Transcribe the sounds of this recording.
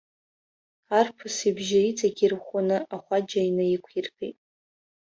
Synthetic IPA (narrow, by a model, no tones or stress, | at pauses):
arpʰɨsibʒɪit͡sʼaɡʲirχʷanɨaχʷad͡ʒainɨikʷʰirpʰḛjtʼ